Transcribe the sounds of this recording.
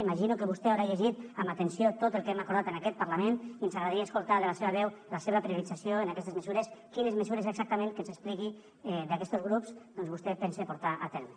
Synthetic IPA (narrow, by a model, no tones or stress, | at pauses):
imaʒinukeβust̪ɛawɾaʎeʒit̪ambat̪ensiot̪ot̪əlˠkɛmakuɾð̞at̪enakɛt̪̚paɾlameniənsaɣɾaðaɾiəeskulˠt̪aðelaseβəβ̞ɛwlaseβəpɾiuɾid͡zasjoenakɛst̪ezmezuɾeskinezmezuɾeseɡz̥ak̚t̪əmẽnkənzespliki | ɛd̪akɛst̪ozɣɾupzd̪ɔnzβust̪ɛpɛnsepuɾt̪aʔat̪ɛɾme